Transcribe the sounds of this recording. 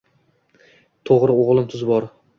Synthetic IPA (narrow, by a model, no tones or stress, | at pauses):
t̪ʰoʁɾɪoʁlˠɪmt̪ʰʊzbɒɾ